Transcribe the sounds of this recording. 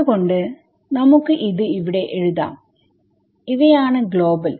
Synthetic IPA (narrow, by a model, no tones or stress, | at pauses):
uɣo̞ɳɖɨ | nɐmukːɨʔiðɨiʋiɽe̞ʔeɻuða̰ːm | iʋɐjaːɳɨɡɭo̞ːbɐl